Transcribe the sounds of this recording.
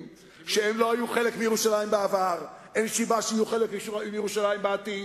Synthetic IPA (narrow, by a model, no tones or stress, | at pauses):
m | ʃeemlo̞ajuχe̞lekmijeʁuʃalajimbeavaʁʔenʃibaʃajuχelekmiʃuʁajumijeʁuʃalajimbeati